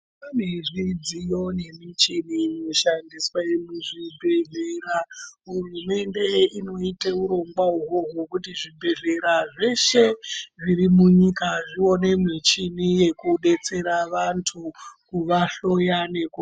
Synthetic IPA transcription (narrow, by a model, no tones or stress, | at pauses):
aneʐid͡zijo̞ne̞mit͡ʃininoʃandiswajemuʐibʱe̞ɮeɾaɦurume̞nde̞ino̞ite̞uɾo̞ŋɡwauɦoɦokutiʐibʱe̞ɮe̞ɾaʐe̞ʃe̞ʐirimuɲikaʐio̞ne̞mit͡ʃinije̞kuɗe̞t͡se̞ɾaʋantʰukuʋaɬo̞jane̞ko